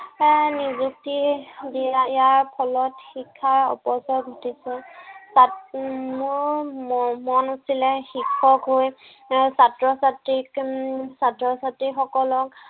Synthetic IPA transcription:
nizuk̚tidijaijaɹpʰɔlɔtxikʰːaɔ̰pɔsɔɡʱotisɛsamʊɹ | mɔnusilɛxikʰːɔkɦoj | satɹɔsatɹiksatɹɔsatɹixɔkɔlɔk

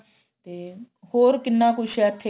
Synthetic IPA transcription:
t̪eː | hoːɾkɪnːãːkʊʃɛːt̪ʰːe

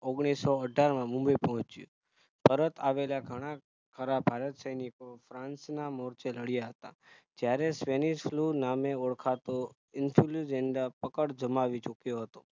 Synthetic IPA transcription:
oɡɽ̃isoəɖʱaɾmãmũmbəjpɔɦɔ̃t͡ʃjṵ̃ | pəɾət̪ʰaʋelaɡʱəɽ̃a | kʰəɾabʱaɾət̪səjnikofɾãnsnamɔɾt͡ʃeləɽjaɦət̪a̰ | d͡ʒjaɾesʋeniʃflunameoɽkʰat̪o | ɪnfʰulud͡ʒɛɳɖapəkəɽd͡ʒəmaʋit͡ʃukjoɦət̪o̥

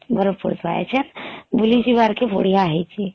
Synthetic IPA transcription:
bəɾəpuɾt̪ʰʋajḛt͡ʃʰənbulid͡ʒibaɾkebʱoɽ̤ijaɦɛjt͡ʃʰi

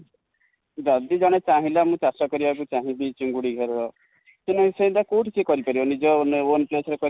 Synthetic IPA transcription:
d͡ʒɔd̪id͡ʒɔɽ̃et͡ʃaɦĩlamũt͡ʃasɔkɔɾibak̬ut͡ʃaɦĩbit͡ʃuŋɡuɽiɡʱɔɾɔɾɔ | senaɦĩseɦĩnt̪akuʈʰisekɔɾipaɾionid͡ʒɔnonplesɔɾekɔ

